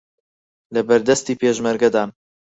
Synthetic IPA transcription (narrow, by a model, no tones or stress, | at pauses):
lɐbɐɾd̪ɛst̪iːpeːʒmɐɾɡɐd̪aːn